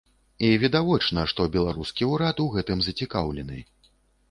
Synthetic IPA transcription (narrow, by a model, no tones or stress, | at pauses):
ivʲɛd̪avɔt͡ʂnɐʂt̪ɔbʲɛlˠaɾuskʲiuɾat̪uɣɛt̪ɨmzɐt͡sʲikawlʲɛnɨ̰